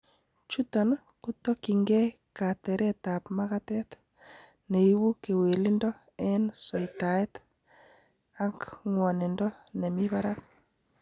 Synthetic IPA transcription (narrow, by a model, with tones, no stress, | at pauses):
t͡ʃu˦ta˨n | ku˦t̪ɔ˦ki˨ŋɡe˦ | ka˨tɛ˨ɾɛ˦ta˨pmaɣatɛ˦t | ne˨i˦wu˦ke˨we˨li˦ndɔ˦ | ɛ˦nsɔ˨ita˨e˦t | a˦ŋkŋwɔ˨nɪ˨ndɔ˦ne˨miβa˦ɾa˦k